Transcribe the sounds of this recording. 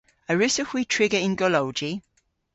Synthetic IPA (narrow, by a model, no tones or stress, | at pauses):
əɹɪsəkwitʰɹ̥ɪɡəɪ̃nɡɔloʊd͡ʒi